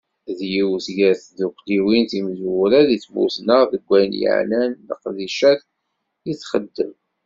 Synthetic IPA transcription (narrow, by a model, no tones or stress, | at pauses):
ðjiwθʝæɾθðukʷliwinθimzwɾæðit͡sːmṵθnəʁðəɡʷːæjnjə̰ʕlænːə̰qðiʃæθ | jiθχəd̪ːəm